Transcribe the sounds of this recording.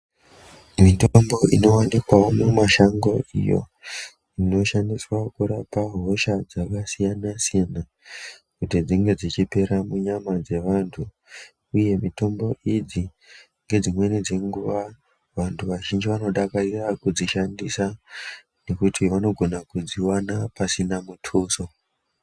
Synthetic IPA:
mitombo̞ʔino̞wanikwaomumaʃaŋɡo̞ḭjo̞̰ | ino̞ʃandiswakuɾapaɦo̞ʃad͡zakasijanasijana | kutid͡ziŋɡe̞d͡zit͡ʃipe̞ɾamuɲamad͡ze̞ʋantʰu | uje̞mito̞mbo̞ʔid͡zi | ŋɡe̞d͡zimwe̞nid͡ze̞ŋɡuʋa | ʋantʰuʋaʒind͡ʒiʋano̞ɗakarirakud͡ziʃandisa | ne̞kutiʋano̞ɡʱo̞nakud͡ziwanapasinamutʰuso

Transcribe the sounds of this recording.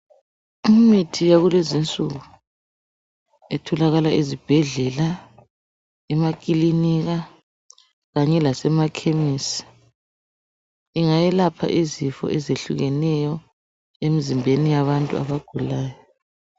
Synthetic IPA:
imitʰijaɣulezint͡sʼṵɣu | ɛtʰɔlaɣalaʔizib̥ʱɛɮɛla | ɛmakʼiliniɣa | ɣaɲɛlasɛmakʰemisi̥ | iŋajɛlapʰa̰ʔizifɔ̰ʔɛzeɬṵɣɛnɛjɔ | emizimbʱenijaβantʼṵa̰βaɡ̥ʱulaːjɔ

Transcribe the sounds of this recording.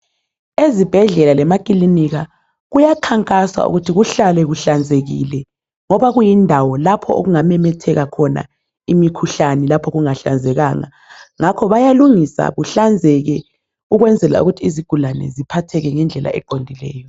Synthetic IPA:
ezib̥ʱɛɮɛlalɛmakʼiliniɣa | ɣujakʰaŋkʼaswa̰ṵɣutʰiɣuɬalɛɣuɬand͡zʱeɣḭlɛ | ŋɔβaɣujindʱawɔlapʰɔo̰ɣuŋamɛmɛtʰɛɣakʰɔna̰ | imikʰuɬanɛlapʰɔɣuŋaɬa̰nd͡zʱɛɣaŋa̰ | ŋakʰɔβajaluŋisa̰βuɬand͡zʱɛɣɛ | uɣwɛnd͡zʱɛla̰ṵɣutʰiːziɡ̥ʱulanɛ̰zipʰatʰɛɣɛŋɛnd͡ɮʱɛlʔa̰ʔɛ̰ǃondʱilɛ̰ːjɔ

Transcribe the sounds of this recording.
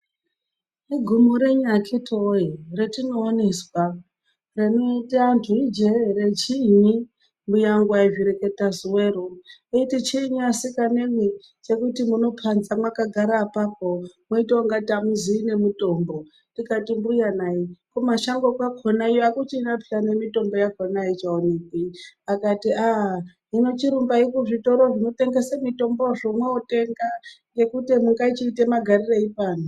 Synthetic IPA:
iɡʱumoɾeɲakʰitʰoiretino̞ːne̞swa | renoitiantʰuid͡ʒeɾet͡ʃiːɲi | mbujaŋɡwaiviɾeke̞tazuweɾoeitit͡ʃiːɲiasikaneŋwi | t͡ʃe̞kutimuno̞pʰanzamwakaɡʱaɾaːpap̚omweiteaŋɡatamuziːne̞muto̞mbo̞ | tikatimbujanaikumaʃaŋɡokwakʰonaijoakut͡ʃinapʰiane̞mito̞mbo̞jakonait͡ʃaonekiakatiʔaɦ | ino̞t͡ʃiɾumbaikuʐito̞ɾoʐino̞te̞ŋɡesamito̞mboʐomweote̞ŋɡaŋɡe̞kutemuŋɡait͡ʃiːtemaɡʱarireipaːno

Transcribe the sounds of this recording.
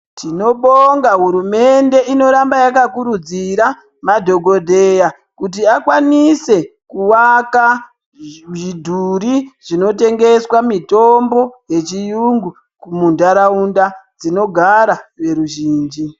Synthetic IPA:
tʰino̞ɓoŋɡaɦuɾume̞nde̞ino̞ɾambajakakuɾud͡ziɾa | madʱo̞ɡʱo̞dʱe̞ja | kut̬iakwanise̞kuwaka | ʐidʱuɾiʐ̥ino̞te̞ŋɡe̞swamito̞mbo̞je̞t͡ʃijuŋɡu | kumundaɾaundad͡zino̞ɡʱaɾaʋe̞ɾuʒiːnd͡ʒi

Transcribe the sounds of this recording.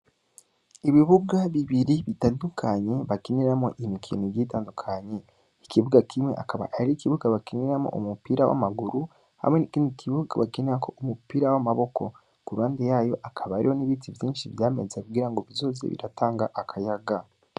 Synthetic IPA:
iβiβuɡaβiβiɾiβitaːndukʰaɲe̞βakiniɾamo̞̰ʔimikʰiniɟitaːndukʰaɲe̞ | ikiβuɡakʰimŋe̞̰ʔakʰaβa̰ʔaɾikiβuɡaβakiniɾamo̞̰ʔumupiɾawa̰maɡuɾu | ha̰menikinikiβuɡaβakeniɾakʰo̞umupiːɾawamaβo̞ko̞ | kuɾuaːndejaːjo̞ʔakʰaβaːɾḭho̞niβiːtivjiːnʃiβjaːme̞̰zakuɡiɾaŋɡo̞βizo̞ːzḛβḭɾataːŋɡaʔakʰajaɡa

